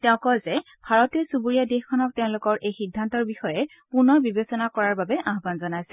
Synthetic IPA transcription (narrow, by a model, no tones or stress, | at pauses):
tɛʊ̃kɔzɛ | bʱaɹɔtiɔsubuɹijadexkʰɔnɔk̚teʊ̃lʊkɔɹʔejxidʱːantɔɹbixɔjɛ | punɔbibesɔnakɔɹaɹbabɛʔaɦbanzɔnajsɛ̥